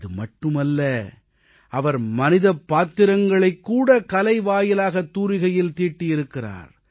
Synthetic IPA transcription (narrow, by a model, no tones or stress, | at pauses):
ðɯmɐʈːɯmɐlːɐ | ʔɐʋɐɾmɐnɪðɐpːaːt̪ɪɾɐŋɡɐɭɐɪkːuːɽɐkɐlɐɪʋaːjɪlaːɣɐt̪ːuːɾɪɣɐjɪlt̪iːʈːɪjɪɾɯkːɪra̰ːɾ